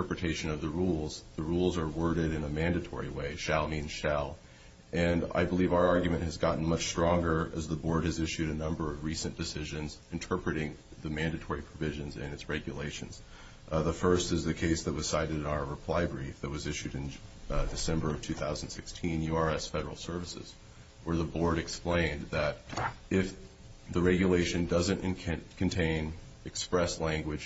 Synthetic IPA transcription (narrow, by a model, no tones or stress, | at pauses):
pɹɨtʰeɪʃɨ̃nʌvðɨɹulˠz̥ðəɹulˠzə˞wɜ˞ɾɨɾɨ̃nəmæ̃ndɨtʰɔ̰ɹḭweɪʃælˠmĩnʃælˠ | ʔɨ̃na̰ɪbəlivaʊə˞ɑɹɡjɨmɨ̃nʔhɨzɡɑʔn̩mʌt͡ʃstɹ̥ɔ̃ŋɡə˞ɨzðəbɔɹd̚ɨzɪʃʉɾɨnʌ̃mbə˞ʌvɹisɨ̃nd̥ɨsɪʒɨ̃nzɨ̃ntʰɜ˞pɹɨɾɪ̃ŋ | ðɨmæ̃ndɨtʰɔɹipʰɹ̥ɨvɪʒɨ̃nzɪ̰̃nɨtsɹɛɡjɨ̰leɪʃɨ̃nz̥ | ðəfɜ˞stɨzðɨkʰeɪsðɨt̚wʌz̥saɪɾɨɾɨ̃naʊə˞ɹɨpʰl̥aɪbɹifðɨt̚wʌzɪʃʉɾɨ̃ndɨsɛ̃mbə˞ʌv̥tʰʉθaʊzn̩d̥sɪkstʰĩnjʉɑɹɛsfɛɾə̰˞l̩ˠsɜ˞vɨsɨ̰z̥ | wə˞ðəbɔɹɾɨksplẽɪ̃nðɨɾɪf | ðɨɹɛɡjɨleɪʃɨ̃ndʌzɨ̃ntɨ̃nʰkʰɨ̃n̩tʰẽɪ̃n | ɨkspɹɛslæ̃ŋɡwɨd̥ʒ̥